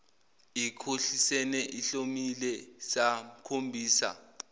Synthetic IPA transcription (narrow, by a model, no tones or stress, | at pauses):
ikʰoɬisɛnɛʔiɬomilɛsam̩kʰombʱiːsa̰